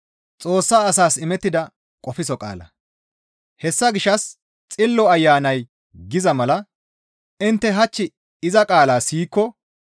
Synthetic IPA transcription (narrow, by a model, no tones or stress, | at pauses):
t͡sʼo̞ːsːaːɐsaːsɪmɛt̪ːɪd̪ɐ | kʼɔfɪsɔkʼa̰ːlɐ̰ | hɛsːɐɡɪʃːɐs | t͡sʼɪlːɔɐjːaːnɐj | ɡɪzɐmɐlɐ | ɪnt̪ːɛɦɐt͡ʃːɪ | ɪzɐkʼaːlaːsiːkːɔ